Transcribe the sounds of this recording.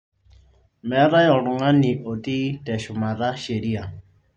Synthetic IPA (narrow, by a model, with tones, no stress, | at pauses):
mɛ˨˦ɾa˦jɔ˨ɺʊ˨ŋa˦ni˨ʔo˨ti˦tɛ˨ʃʊ˨ma˨ða˦ʃe˨ɾi˦a˨